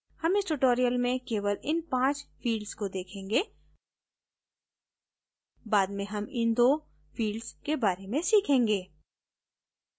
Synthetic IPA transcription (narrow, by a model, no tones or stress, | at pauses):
hɐmɪsʈʊʈoːɾijəlmẽkeːʋəlɪnpãːt͡ʃfiːɖzkod̪eːkʰẽːŋɡeː | baːd̪mẽɦɐmɪnd̪oː | fiːɖzkebaːɾemẽsiːkʰẽːŋɡeː